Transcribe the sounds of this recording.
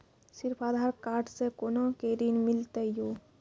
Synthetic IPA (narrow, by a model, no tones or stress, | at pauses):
siɾpʰaːd̪ʱaːɾkaːɾʈsekonokeɾinmilt̪əjo